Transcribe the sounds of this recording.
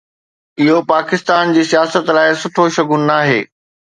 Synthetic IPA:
ɪɦopaːkɪst̪aːnd͡ʑiːsijaːsət̪laːɪsʊʈʰoʃɐɡʊnːaːɦḛː

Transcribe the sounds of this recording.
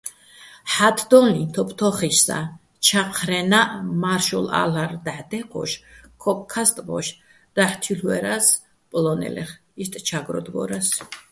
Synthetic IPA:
ħat̪ʰd̪ɔnit̪ʰɔpʰt̪ʰɔχiʃsa̰ | t͡ʃʰaqʰɾɛnaʔmaɾʃɔla̰laɾd̪aħd̪ɛqʰɔ̰ʃkʰɔp̚ʼkʰast̪ʼvɔ̰ʃ | d̪̥aħt̪ʰilwɛɾas | pʼlɔnɛ̰lɛ̰χ | ist̪ʼt͡ʃʰaɡɾɔ̰d̪ɡɔɾas

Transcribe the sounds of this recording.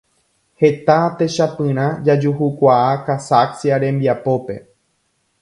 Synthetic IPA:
he̞t̪at̪e̞ʃapɨ̃ɾ̃ãd͡ʒad͡ʒuhukʷaakasaksjaɾẽ̞mbiapo̞pe̞̰

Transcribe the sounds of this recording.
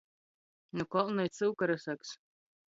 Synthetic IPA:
nukɔlˠnajt̪sɨwkaɾasaks

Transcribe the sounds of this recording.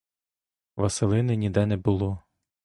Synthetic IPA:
ʋɐselˠɪnɪnʲid̪ɛnɛbʊlˠɔ

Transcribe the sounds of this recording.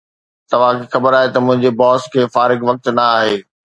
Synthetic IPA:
t̪ɐʋ̤ãkixɐbəɾaːɦet̪ɐmʊ̃ɦɪ̃ɲd͡ʑebɔːskʰeːfaːɾɪɡʋɐk̚t̪nɐaːɦeː

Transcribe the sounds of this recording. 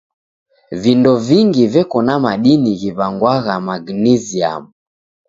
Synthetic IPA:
vindɔviŋɡivɛkɔnamaɗiniɣiβaŋɡwaɣamaɡnɛzia̰mu

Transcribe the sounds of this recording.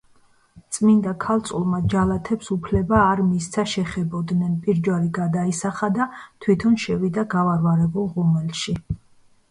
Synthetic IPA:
t̪sʼmind̪akʰalt̪sʼulˠmad͡ʒalat̪ʰɛpsupʰlɛbaːɾmist̪sʰaʃɛχɛbɔd̪nɛnpʼiɾd͡ʒwaɾiɡad̪aisaχad̪at̪ʰwit̪ʰɔnʃɛvid̪aɡavaɾvaɾɛbulˠʁumɛlˠʃi

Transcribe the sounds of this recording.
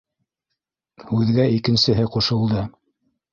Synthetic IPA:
hʉðɡæikɘ̆nsɘ̆ɦɘquʃɤ̆lˠd̪ɤ

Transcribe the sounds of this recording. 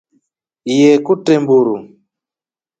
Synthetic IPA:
ijɛkutɛmbuɾu

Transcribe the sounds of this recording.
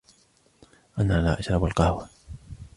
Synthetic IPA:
ʔanaːlaːʔaʃɾˤɑbalqɑhwa

